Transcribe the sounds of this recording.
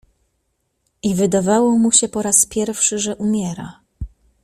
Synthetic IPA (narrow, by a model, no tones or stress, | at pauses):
ivɘd̪avawɔmuɕɛpɔɾaspʲjɛɾfʂɘʐɛʔumʲjɛɾa̰